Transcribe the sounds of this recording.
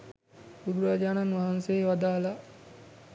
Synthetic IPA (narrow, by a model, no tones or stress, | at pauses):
bud̪uɾaːd͡ʒaːnanʋaɦanseeʋad̪aːla